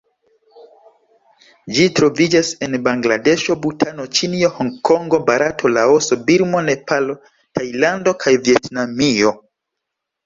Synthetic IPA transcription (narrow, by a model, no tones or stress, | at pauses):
d͡ʒitɾo̞vid͡ʒase̞nbaŋɡlade̞ʃo̞butʰano̞t͡ʃinio̞hoŋkoŋɡo̞baɾatʰo̞laoso̞biɾmo̞ne̞palo̞ | tʰajlando̞kʰajvie̞tnamio̞